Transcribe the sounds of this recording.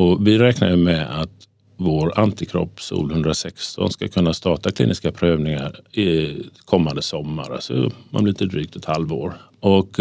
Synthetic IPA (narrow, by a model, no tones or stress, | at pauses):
ɔvɪɾɛːknajɵmɛat̪ | voːɾant̪ɪkʰɾɔ̰pːsṵːlhɵnd̪ɾasɛkst̪ʰɔ̰nskakʰɵnːast̪ɑːʈakʰlḭːnɪskapʰɾøːvnɪŋaɾɪkʰɔmːand̪əsɔmːa̰ɾa̰lsɔ̰manblɪlɪəd̪ɾyːk̚t̪ʰɛt̪halvo̰ːɾ | ʔɔk